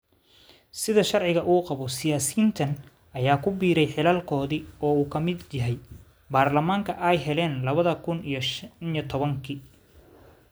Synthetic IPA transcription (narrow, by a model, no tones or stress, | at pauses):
sɪðɐʃɑrʕɪɣɐʔuːqɑβɔsɪjaːsiːnt̪ʰɐn | ɐjaːkʰʊbiːɾɛjħɪlaːlkʰɔːðiɔːuːkʰɐmɪd̪jɐɦɛj | baːrlɐmaːŋkʰɐʔɛjɦɛlɛːnlɐβɐðɐkʰʊnijɞʃnijɔt̪ʰɔβɐŋkʰiː